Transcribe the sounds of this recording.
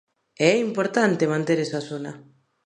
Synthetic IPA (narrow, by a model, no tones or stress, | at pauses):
eimpo̞ɾt̪ant̪emant̪eɾesasuna